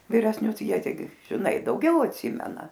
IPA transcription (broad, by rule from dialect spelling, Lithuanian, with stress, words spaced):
ʋʲɪrʲɛsʲˈnʲʊs ˈjiɛ tʲɛɪˈɡʲɪ ʒʲɪˈnɐɪ dɐʊˈɡʲɛʊ ɐtʲˈsʲɪmʲɛnɐ